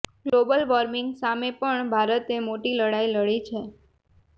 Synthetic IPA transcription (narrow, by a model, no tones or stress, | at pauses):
ɡ̥lobəlʋɔɾmɪŋɡsamepəɳbʱaɾət̪emoʈiləɽailəɭit͡ʃʰe